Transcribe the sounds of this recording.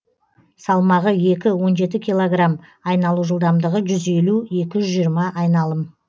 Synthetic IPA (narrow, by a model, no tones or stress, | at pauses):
sɑlˠmɑʁəje̞kʲɪwo̞nʒe̞t̪̬ɪkʲʰijlˠo̞ɡramɑjnɑlˠuʒəlˠd̪ɑmd̪əʁəʒʏze̞lue̞kʲɪʒʏzʒijəɾmɑʔɑjnɑlˠəm